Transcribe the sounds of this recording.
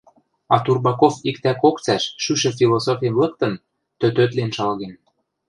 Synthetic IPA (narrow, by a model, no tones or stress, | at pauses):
ɑt̪urbɑkofikt̪ækokt͡sæʃːyʃĕfilˠosofʲimlɤ̆k̚t̪ɤ̆n | t̪øt̪øt̪lenʃɑlɣen